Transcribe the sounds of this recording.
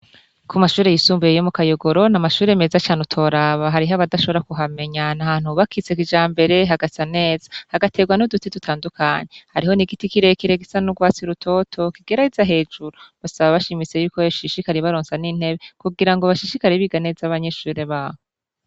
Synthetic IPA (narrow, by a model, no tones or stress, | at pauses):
kumaʃuːɾe̞jisuːmbujejomukajoɡo̞ɾo̞namaʃuːɾe̞me̞ːzat͡ʃaːnutʰo̞ɾaβaɦaɾiɦaβadaʃo̞βoɾakuɦame̞ɲanahaːn̥huβakʰit͡se̞kid͡ʒaːmbe̞ɾe̞ɦaɡasane̞ːzḁhaɡate̞ɡwanudutitutʰaːndukʰaːɲehaɾiho̞niɡitikiɾe̞kiɾe̞ɡisanuɡwaːt͡siɾutʰo̞ːtʰo̞kiɡ̥eɾaizaɦe̞ːd͡ʒuɾoβasaβaβaʃimit͡se̞juːkojaʃiʃikaɾeβaɾoːnsaniːn̥he̞βe̞kuɡiɾaŋɡoβaʃiʃikaɾeβiɡane̞ːzaβaɲe̞ʃuːɾe̞βaːho